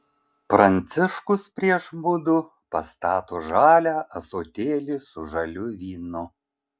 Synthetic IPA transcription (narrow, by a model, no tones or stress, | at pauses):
pɾɐnʲt̪sʲɪʃkʊspʲɾʲiɛʃbʊd̪ʊ | pɐ̰st̪ɑːt̪oːʒɑːlʲæːɐsoːt̪ʲeːlʲɪsʊʒɐlʲʊʋʲiːnʊ